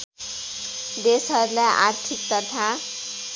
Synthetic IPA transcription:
d̪esɦʌɾulajʔa̰rt̪ʰik̚t̪ʌt̪ʰa

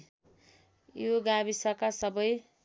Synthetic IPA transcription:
joɡabisʌkasʌbʌj

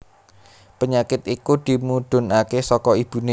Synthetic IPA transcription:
pəɲakɪt̪ikud̪̥i̤muɖ̥ʊ̤nakesɔkɔib̥ṳne

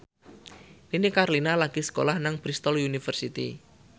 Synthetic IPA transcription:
ninikaɾlinalaɡ̥isə̥ko̰lahnaŋpɾist̪ɔlunifərsit̪ḭ

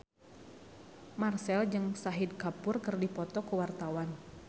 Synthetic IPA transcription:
marsɛld͡ʒɨŋsaɦid̚kapʊrkɨrdipɔt̪ɔkuwart̪awan

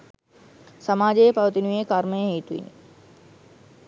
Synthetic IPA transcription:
sɐmaːd͡ʑepɐʋt̪inuẽkaːɾmeɦet̪uḭni

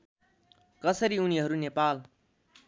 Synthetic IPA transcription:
kʌsʌɾiuniɦʌɾunepal

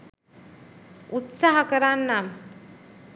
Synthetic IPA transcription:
ut̪saɦɐkəɾanːam

